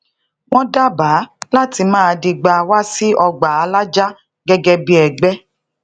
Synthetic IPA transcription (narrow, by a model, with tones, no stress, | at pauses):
w̃ɔ̃˦da˦ba˨˦la˦ti˧mãː˦˨˧di˧ɡ͡ba˧wa˦si˦ɔ˧ɡ͡ba˨a˧la˦d͡ʒa˦ | ɡɛ˦ɡɛ˧bi˦ɛ˨ɡ͡bɛ˦